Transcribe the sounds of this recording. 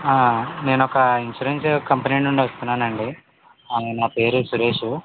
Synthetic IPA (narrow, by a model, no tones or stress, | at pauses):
aːne̞ːnɔkɐinʃuɾenskɐmpneɳuɳɖiʋɐst̪unːaːnɐɳɖi | naːpe̞ːɾusuɾe̞ːʂu